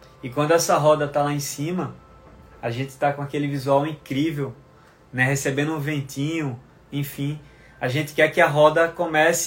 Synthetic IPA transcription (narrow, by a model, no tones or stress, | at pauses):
ɪkwɐ̃d̪ʊɛsɐɦɔd̪ɐt̪alaẽsĩmɐ | aʒẽt̪ɪ̥t̪akõakelɪvizuawĩkɾivew | nɛɦesebẽnd̪ʊũvẽnt̪ĩɲʊ̃ | ẽfĩ | aʒẽnt̪ɪ̥kɛɾkɪɐɦɔd̪ɐkõmɛs